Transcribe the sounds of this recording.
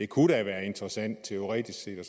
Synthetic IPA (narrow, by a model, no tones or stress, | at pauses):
e̝kʰuɾ̥æʋæːɐe̝nd̥ʁəsæn̰d̥̚t͡sʰeo̝ʁɛ̰ːd̥isɡ̥se̝̰ːd̥ɒs